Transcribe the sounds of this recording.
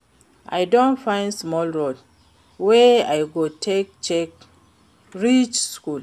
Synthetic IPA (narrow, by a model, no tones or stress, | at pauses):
ʔa̰jdõntfãɪ̃ndsmɔlɹod | weajɡotʰek̚t͡ʃɛk | ɹit͡ʃskul